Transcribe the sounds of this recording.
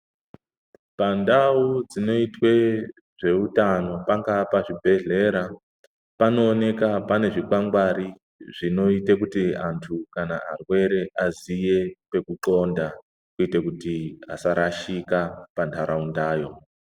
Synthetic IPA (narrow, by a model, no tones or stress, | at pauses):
pandaud͡zino̞itwe̞ | ʐe̞utano̞paŋɡapaʐibʱe̞ɮe̞ɾa | pano̞ːne̞kapane̞ʐikwaŋɡwaɾi | ʐino̞itek̬utiantʰukanaa̰rwe̞ɾe̞ʔazije̞pe̞kuǃo̞nda | kuitekutiasaɾaʃikapantʰaɾaundaːjo̞